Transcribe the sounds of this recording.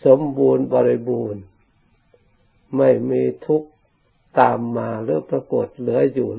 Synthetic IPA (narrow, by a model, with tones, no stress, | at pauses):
so˨˦mbuː˧nbɔː˧ɾi˧buː˧n | ma˥˩jmiː˧t̪ʰu˦˥k̚ | t̪aː˨mːaː˧ɾɯ˨˦pɾa˧ko˨˩t̪̚lɯ˩˦ɐjuː˨˩